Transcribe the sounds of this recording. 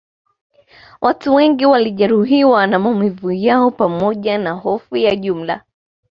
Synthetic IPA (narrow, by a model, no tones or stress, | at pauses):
wʔatuwɛŋɡiwaliʄɛɾuɦiwanamaumivujaɔpamɔʄanaɦɔfujaʄum̩la̰